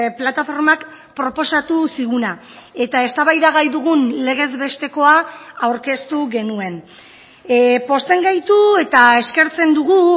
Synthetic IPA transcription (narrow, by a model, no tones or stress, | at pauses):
plat̪afo̞ɾmak | pɾo̞po̞sat̪usiɣuna | e̞t̪ae̞st̪aβajðaɣ̞ajðuɣ̞unle̞ɣ̞e̞zβe̞st̪e̞ko̞aawɾke̞st̪uɣe̞nue̞n | po̞st̪e̞ŋɡajt̪ue̞t̪ae̞ske̞ɾt͡se̞nd̪uɣu